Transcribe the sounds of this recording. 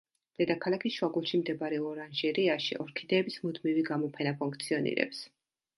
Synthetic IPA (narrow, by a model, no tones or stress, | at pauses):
d̪̥ɛd̪akʰalˠakʰisʃwaɡulˠʃimd̪ɛbɾɛɔɾanʒiɾiaʃḭʔɔɾkʰid̪ɛːbismud̪miviɡamɔpʰɛnapʰuŋkʰt̪sʰiɔnḭɾɛ̰ps